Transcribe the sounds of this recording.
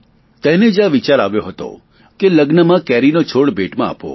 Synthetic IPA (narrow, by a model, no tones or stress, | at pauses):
t̪ɛned͡ʒaʋit͡ʃaɾaʋjoɦət̪o̰ | keləɡnəmãkɛɾinot͡ʃʰoɽbeʈmãa̰po̰